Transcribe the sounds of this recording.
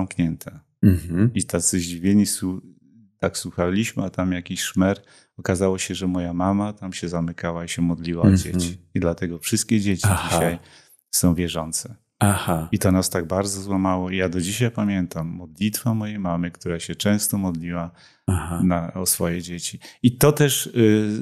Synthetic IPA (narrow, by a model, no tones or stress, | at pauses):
amkɲɛnt̪ʰɛ | it̪at̪sɨʑd͡ʑivʲjeɲisu | t̪akswuxalʲiɕmɘat̪amjakʲiɕʂmɛɾ | ɔkazawɔɕɛʐɛmɔjamamat̪amɕɛzamɘkawaiɕɛmɔd̪lʲiwaɔd͡ʑḛt͡ɕiid̪lat̪ɛɡɔfʂɨst̪̚kʲɛd͡ʑet͡ɕid͡ʑiɕaj | sɔ̃w̃vʲjɛʐɔnt̪sɛ | ahait̪ɔnast̪aɡ̚baɾd̪zɔzwamawɔijad̪ɔd͡ʑiɕajpamʲjɛnt̪amːɔd̪lʲit̪famɔjejmamɘkt̪uɾaɕɛt͡ʂɛ̃w̃st̪ɔmɔd̪lʲiwa | ahanaɔsfɔjɛd͡ʑet͡ɕiit̪ɔt̪ɛʂ